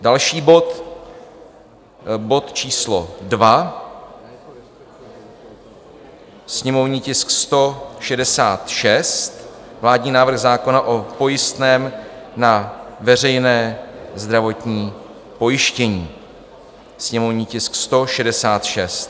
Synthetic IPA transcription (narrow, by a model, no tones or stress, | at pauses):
dalʃiːbo̞t̪ | bo̞t̪t͡ʃiːslo̞̰dva | sɲɛmo̞vɲiːcɪskst̪o̞ʃɛdɛsaːt̪ʃɛst̪ | vlaːdɲiːnaːvɾr̩ɣzaːko̞naʔo̞po̞jɪst̪nɛːm | navɛr̝ɛjnɛːzd̪ɾavo̞t̪ɲiː | po̞jɪʃcɛɲiː | sɲɛmo̞vɲiːcɪskst̪o̞ʃɛdɛsaːt̪ʃɛst̪